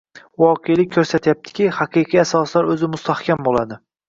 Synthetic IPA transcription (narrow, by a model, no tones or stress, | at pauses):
wɒqʰejlɪk̚ʲʰːɵɾsat̪ʰjap̚t̪ʰɪ̥kʲɪhaqʰɨjqʰijasɒslaɾɵzɪmʊst̪ahkʲʰambolad̪ɪ